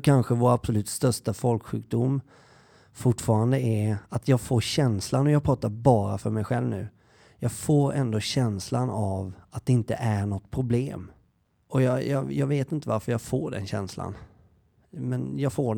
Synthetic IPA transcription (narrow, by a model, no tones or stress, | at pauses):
kʰanɧəvoːɾabsɔlʉ̟ːt̪st̪œʂʈafɔlkɧʉ̟ːk̚d̪ʊm | fʊʈːfɑːɾand̪əɛat̪ʰjɑːɡfoːɾɕɛnslanɔjɑːɡpʰɾɑːt̪aɾbɑːɾafœɾmɛjɧɛlvnʉ̟ː | jɑːɡfoːɾɛ̰nd̪oːɕɛnslanavat̪̚d̪ɛɪnt̪ə̰ʔæɳɔt̪ːpʰɾʊblḛːm | ɔjɑjɑ̰ːjɑːɡveːt̪ɪnt̪əvaɾfœɾjɑːɡfoːɖɛ̰nɕɛ̰nsla̰n | mɛnjɑːɡfoːɖ